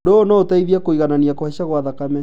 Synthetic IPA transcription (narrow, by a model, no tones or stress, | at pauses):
doːnɔotaiðiakoiɣananiakohaɕaɣwaðakamɛ